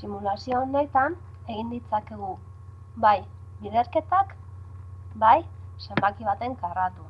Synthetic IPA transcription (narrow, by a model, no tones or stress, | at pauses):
simulasio̞ːne̞t̪an | e̞ɣ̞ind̪it͡sake̞ɣ̞u | βaj | βiðe̞ɾke̞t̪ak | bajse̞mbakiβ̞at̪e̞ŋkarat̪u